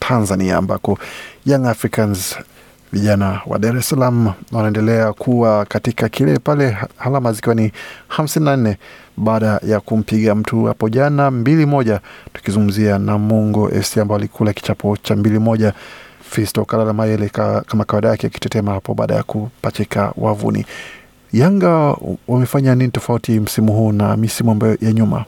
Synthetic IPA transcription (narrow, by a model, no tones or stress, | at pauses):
tʰanzania̰ːmba̰kɔjaŋafɾikanz | viʄanawa̰ɗaɾɛsalamuwanaɛndɛlɛakʰuwakatikakilɛpalɛhalamazikiwanihamsininannɛɓaːɗajakum̩piɠam̩tʰuha̰pɔʄanambilimɔʄatu̥kizuŋɡum̩zianamɔŋɡɔʔɛ̰fsiambawalikʰulaki̥t͡ʃapʰɔt͡ʃambilimɔʄafɛstɔkalalamajɛlɛkamakawaɗajakɛaki̥tɛtɛmahapɔɓa̰ːɗa̰ja̰kupat͡ʃɛka̰wa̰vṵnḭ | jaŋɡawamɛfaɲaninitɔfautim̩simuɦuːnamisimuambajɔjaɲuma̰